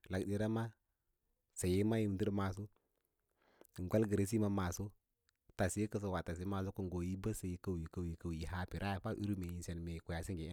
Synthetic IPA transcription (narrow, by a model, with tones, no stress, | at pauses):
la˨kdi˨ɾa˦ma˦ | sa˨ji˦ma˦ji˦˨m˨ti˦ɾma˨s̬o˦˨ | ŋ˨ɡʷa˦lɡə˨ɾe˨s̬i˦ma˦ma˨so˦ | ta˨si˦kə˦s̬a˨wa˨ta˨s̬i˦ma˨so˦ku˦ŋ˨ɡo˨ji˦ba˦sa˨ji˨kə˦˨wji˨kə˨i˨kə˦˨wi˨ɦa˦pi˨ɾʔa˦ja˨fa˦ʔu˦ɾu˦me˨i˨nse˨n˨me˨ku˨ja˨si˦ŋɡi˨˦